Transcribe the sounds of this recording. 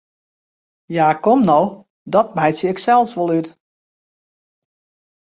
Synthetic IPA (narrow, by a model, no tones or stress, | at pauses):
jaːkɔmnɔw | dɔt̚bɛjtsjəɪksɛlˠsʋolˠyt